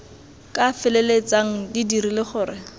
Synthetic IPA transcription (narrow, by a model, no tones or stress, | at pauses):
kʼafɪlelet͡saŋ̩didiɾilɪχʊːɾɪ